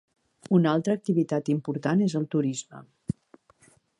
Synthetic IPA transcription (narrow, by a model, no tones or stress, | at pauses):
unalˠt̪ɾəːk̚t̪iβit̪at̪impuɾt̪anezəlˠt̪uɾizmə̰